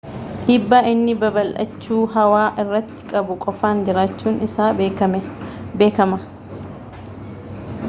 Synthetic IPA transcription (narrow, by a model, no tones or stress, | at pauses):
ʔiːbːaːʔɪnːɪbɐbɐlʔɐ̰t͡ʃːuːɦɐwaːʔɪrːɐt̪ːɪ̥kʼɐbʊkʼɔfaːnd͡ʒɪɾaːt͡ʃːuːnɪsaːɐmɛbeːkɐmɐ